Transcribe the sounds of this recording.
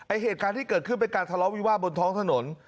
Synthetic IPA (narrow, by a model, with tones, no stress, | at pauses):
ʔa˧jɦeː˨˩t̪̚kaː˧nt̪iː˥˩kɤː˨˩t̪̚kʰɯ˥˩npe˧nkaː˧nt̪ʰa˧lɔ˦˥wiː˧˦waː˥˩bo˧nt̪ʰɔː˦˥ŋt̪ʰa˧no˩˦n